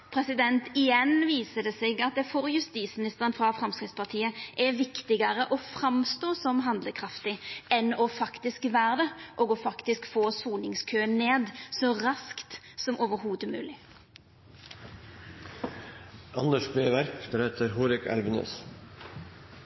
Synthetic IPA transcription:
pʰɾɛsɪd̪ɛnt̪ɪjɛnʋiːsəd̪ɛseːɡɑt̪̚d̪ɛfɔɾjʉst̪iːsmɪnɪst̪əʁənfɾɑfɾɑmskɾɪt̪spʰɑʁt̪ʰiːəʔɛʋɪkt̪ɪɡəɾəʔɔfɾɑmst̪oːsɔmɦɑnd̪ləkʰʁɑft̪ɪɛnɔfɑkt̪ɪskʋæːʁd̪ɛʔoːɡɔfɑkt̪ɪskfoːsuːnɪŋskʰøːənneːd̪sɔʁɑskt̪ | sɔmoːʋəɾɦuːd̪əmʉ̰ːlɪ | ʔɑnd̪əʂbɾeːʋæɾkbəɾɛt̪ʰəɾɦuːɾɪkʰæ̰lʋənø̰ːs

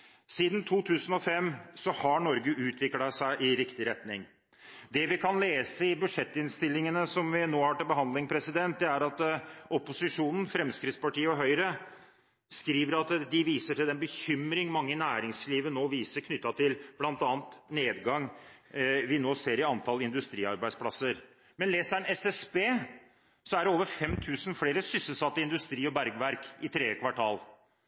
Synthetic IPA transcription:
siːd̪n̩t̪ʰuːt̪ʰʉːsən̩ɔfɛmsɔhɑɳɔɾɡəʔʉːt̪ʰʋɪklɑsæɪʔɪɾɪkt̪ɪɾɛt̪nɪŋ | d̪ɛʋɪkʰɑnleːsəɪbʉʂɛt̪ːɪnst̪ɪlːɪŋənəsɔmʋɪnoːhɑːʈɪlbəɦɑnd̪lɪŋpʰɾɛsɪd̪ɛnt̪̚d̪ɛæɾɑt̪ɔpʊsɪʂuːnən̩fɾɛmskɾɪt̪spɑʈiːəɔɦœʏɾə | skɾiːʋəɾɑt̪d̪ɪʋiːsəʈɪld̪ɛnbəçʏmɾɪŋmɑŋːənæːɾɪŋsliːʋənoːʋiːsəɾkʰnʏt̪ːɑt̪ʰɪlb̥lɑnt̪ɑːnt̪neːd̪ɡɑŋ | ʋɪnoːseːɾɪɑnt̪ʰɑlɪnd̪ʉst̪ɾiːɑɾbæɪspʰlɑsəɾ | mɛnleːsænɛsɛsbeː | sɔæɖɛoːʋəɾfɛmt̪ʰʉːsn̩fleːɾəsʏsəlsɑt̪ːəɪnd̪ʉst̪ɾiːɔbæɾɡʋæɾkɪt̪ʰɾeːəkʰʋɑʈʰɑːl

